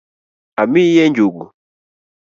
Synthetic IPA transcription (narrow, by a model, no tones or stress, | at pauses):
amijɛɲd͡ʒuɡu